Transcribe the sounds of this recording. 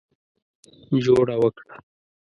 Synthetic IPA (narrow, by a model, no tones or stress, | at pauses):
d͡ʒoɽawəkɽa